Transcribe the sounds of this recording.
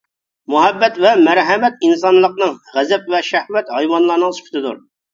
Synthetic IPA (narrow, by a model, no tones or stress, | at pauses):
muɦɛbːɛt̪vɛmæɾɦɛmɛt̪̚ins̬ɑnlˠəqnɨŋʁæzɛp̚vɛʃæhwɛt̪hɑjwɑnlˠɑɾnəŋskʰʲt̪ʰɪd̪uɾ